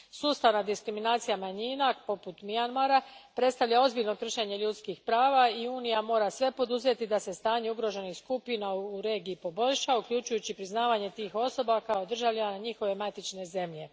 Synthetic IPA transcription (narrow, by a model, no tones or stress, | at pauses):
suːst̪aʋnad̪iskɾiminaːt̪sijamaɲiːnapo̞put̪mianmaɾapɾe̞t̪st̪aʋʎao̞zbiʎno̞kr̩ʃe̞ɲe̞ʎut̪skixpɾaːʋaiuːnijamo̞ːɾasʋe̞po̞d̪uze̞t̪id̪ase̞st̪aːɲe̞uɡɾo̞ʒe̞nixskupinauɾe̞ːɡiːpo̞bo̞ʎʃaukʎut͡ʃujut͡ɕipɾiznaːʋaɲe̞t̪iːxo̞so̞bakaod̪r̩ʒaʋʎinanaɲixo̞ʋe̞mat̪it͡ʃne̞ze̞mʎe̞